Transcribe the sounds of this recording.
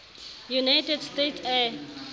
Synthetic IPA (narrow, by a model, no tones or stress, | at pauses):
junajʈedstetsɛ